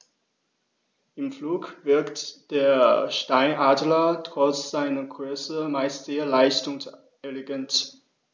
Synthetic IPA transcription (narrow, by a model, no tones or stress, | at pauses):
ʔɪmfluːkv̥ɪɐktd̥eːɐʃtaɪnʔaːdlɐtʁ̥ɔt͡sz̥aɪnɐɡʁøɐsəmaɪstz̥eːɐlaɪstʊŋs | ɛleɡɛnt